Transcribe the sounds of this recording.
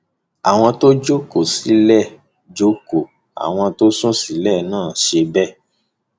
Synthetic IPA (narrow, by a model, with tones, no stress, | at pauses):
a˨w̃ɔ̃˧to˦d͡ʒo˦ko˨si˨˦lɛ˦˨ | d͡ʒo˦ko˨ | a̰˨w̃ɔ̃˧to˦sũ˦si˨˦lɛ˦˨nãː˦˨ʃe˧bɛ˦